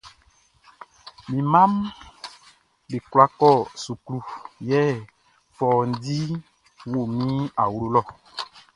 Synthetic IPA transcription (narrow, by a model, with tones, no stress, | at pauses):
mĩ˨mã˦m | be˨kla˦kɔ˦˨su˨klu˦jɛ˦ | fɔ˨n̩˦di˦ | wo˦˨mĩ˦a˨wu˨˦lo˦lɔ˦˨